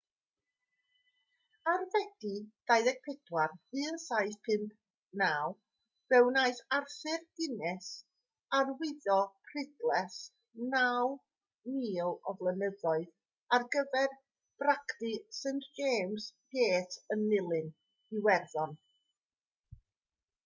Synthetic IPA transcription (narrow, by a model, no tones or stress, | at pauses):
arvɛd̥id̥ajðɛɡ̥̚pʰɛdwarɨːnsaɨθpʰɨmp | naw | b̥ɛwnaɨsarθɨrdɪnɛs | arwɪðɔpʰrɪdlˠɛs | naw | niːlˠɔvlˠənəðɔɨð | arɡəvɛr | b̥raktisentd͡ʒeːmsb̥eːtʰənːɪlˠɨn | iwɛrðɔn